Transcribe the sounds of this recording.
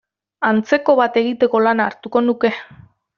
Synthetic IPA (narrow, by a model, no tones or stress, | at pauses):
ant͡se̞ko̞βat̪e̞ɣ̞it̪e̞ko̞lanaːɾt̪uko̞nuke̞